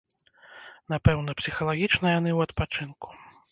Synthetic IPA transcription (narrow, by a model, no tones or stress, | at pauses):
napɛwnɐpsʲixɐlˠaɣʲit͡ʂnɐjanɨwɐt̪pat͡ʂɨnku̥